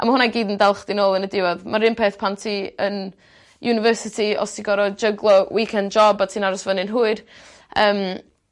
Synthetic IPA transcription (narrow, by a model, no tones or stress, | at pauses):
ʔa̰mahʊnaɡiːdəndɛlˠχd̥ɪnoːlˠənədɪvɔðmaɾɪmpʰeːθpʰantʰiən | junɪvəːsɪtʰiɔ̰stʰiɡɔɾɔd͡ʒəɡlˠɔwʔikʰɛndd͡ʒɔbatʰiːnaɾɔsvənɪnɦuːɨd̥ | əːm